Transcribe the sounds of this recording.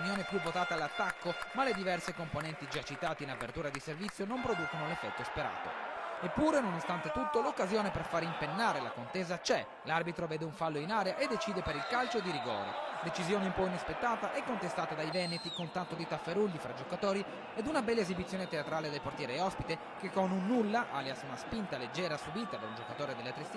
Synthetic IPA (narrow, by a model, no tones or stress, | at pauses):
njoːnepjuvot̪aːt̪aːlːat̪ːakːomaled̪ivɛrsekomponɛnt̪id͡ʒat͡ʃːit̪aːt̪iinapḛrt̪uːɾad̪iservit̪sːjonompɾod̪uːkonolefːɛt̪ːospeɾa̰ːt̪o̰epːuːɾenonost̪ant̪et̪ut̪ːolokːazjoːneperfaːɾimpenːaːɾela̰kont̪eːzat͡ʃɛ | larbit̪ɾovɛːd̪euɱfalːoinaːɾeaʔed̪ːet͡ʃiːd̪epeɾilkalt͡ʃod̪iɾiɡɔ̰ːɾḛd̪et͡ʃizjɔːneimpɔjinespet̪ːaːt̪aʔɛkːont̪est̪aːt̪ad̪ajvɛnet̪ikont̪ant̪ːod̪it̪afːeɾulːifɾad͡ʒokat̪oːɾi | ɛd̪unabɛlːezibit̪sːjɔːnet̪eat̪ɾaːled̪elport̪jɛːɾeːɔspit̪e | kekːonunːulːaʔaːljasunaspint̪aled͡ʒːɛːɾasubiːt̪ad̪aund͡ʒokat̪oːɾed̪elːet̪ɾes